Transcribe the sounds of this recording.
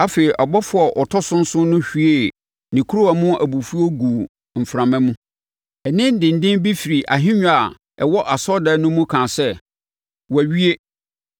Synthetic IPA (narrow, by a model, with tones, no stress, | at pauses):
a˦fe˨i˨ʔɔ˨bɔ˦fʊ˦a˨ʔɔ˨tʰɔ˦sʊ̃˦n̩˦sʊ̃˦nʊ̃˦ɕᶣi˨e˦˨ | nĩ˨kʰu˦ɾʊ˦a˨mʊ̃˦ʔæ˨bu˨fu˦o˦ɡu˨ | m̩˨fɾã˨mɛ̃˦mũ˦ | ɛ˨nɪ̃˦n˦dɪ̃˨n̩˨dɪ̃˦nbi˦fi˨ɾi˨ʔa̰˨ɦɪ̃˦ɲ̃ᶣ˦a˨ | ɛ̰˨wɔ˦ʔa˨sɔ˦dɛ˨˦nʊ̃˦mũ˦kʰãː˨sɛ˦ | wæ˨ɥi˦e˦